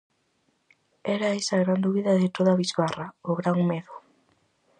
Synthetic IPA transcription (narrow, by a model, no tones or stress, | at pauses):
eɾaesaɣɾand̪uβiðaðet̪oðaβizβaraoɣɾaŋmeðo